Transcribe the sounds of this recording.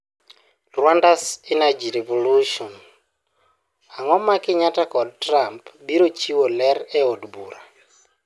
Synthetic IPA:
rwandasɪnad͡ʒiɾevoluʃɔn | aŋɔmakɪɲatakɔd̚tɾampbiɾot͡ʃiwolɛɾɛodbuɾa

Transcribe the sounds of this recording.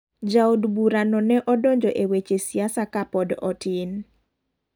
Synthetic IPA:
d͡ʒaudbuɾanɔnɛʔɔdɔɲd͡ʒɔʔewet͡ʃesiasakapɔdɔtin

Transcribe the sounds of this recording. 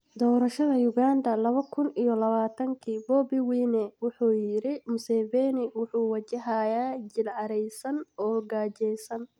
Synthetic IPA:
d̪ɔːɾɐʃɐðɐjʊɣaːnd̪ɐlɐβɐkʰʊnijɔlɐβaːt̪ʰɐŋkʰiːbɔːbɪwiːnɛwʊħuːjɪɾɪmʊsɛːvɛːnɪwʊħuːwɐt͡ʃɪɦaːjaːd͡ʒɪlʕɑɾɛjsɐnɔːɡaːt͡ʃɛjsɐn

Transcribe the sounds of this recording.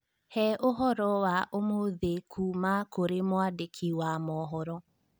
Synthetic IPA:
hɛʔoɦɔɾɔwaʔomoðekʰumakoɾemwadekʰiwamɔɦɔɾɔ

